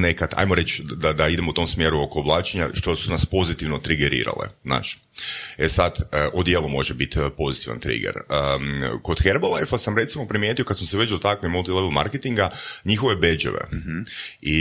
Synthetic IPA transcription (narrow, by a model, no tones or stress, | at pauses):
ne̞kat̪ʰa̰jmoɾe̞t͡ʃd̪ad̪aid̪e̞mout̪o̞msmjeːɾuo̞ko̞ːblˠaːt͡ʃeɲaʃt̪o̞sunaspo̞zit̪iʋno̞t̪ɾiɡeɾḭːɾa̰lḛzna̰ːʃ | esad̪əʔod̪jeːlˠumo̞ʒebit̪po̞zit̪iʋa̰nt̪ɾḭɡḛɾəko̞d̪̥xeɾbolajfasamɾe̞t̪simo̞pɾimjet̪io̞kad̪smseʋe̞t͡ʃd̪o̞t̪aklimulˠt̪ileʋlˠma̰ɾket̪iŋɡaɲixoʋebe̞d͡ʒḛʋḛ | i